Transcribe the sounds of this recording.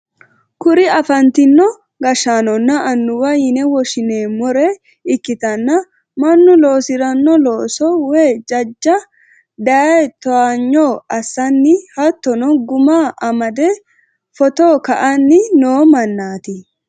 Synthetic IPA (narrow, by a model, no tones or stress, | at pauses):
kʊɾɪɐfɐnt̪ɪnːɔ | ɡɐʃːaːnɔnːɐʔɐnːʊwɐjɪnɛwɔʃɪneːmɔɾɛ | ɪkːɪt̪ɐnːɐ | mɐnːʊlo̞ːsɪɾɐnːɔloːsɔweːd͡ʒɐd͡ʒːɐ | d̪ɐɛt̪ɔaːɲːoːɐsːɐnːɪhɐt̪ːɔnɔɡʊmaːʔɐmɐd̪ɛ | fɔt̪oːkɐʔɐnːɪnoːmɐnːaːt̪ɪ